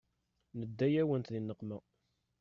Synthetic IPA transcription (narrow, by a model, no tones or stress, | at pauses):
nəd̪ːæjæwənt̪ðinːəqːmə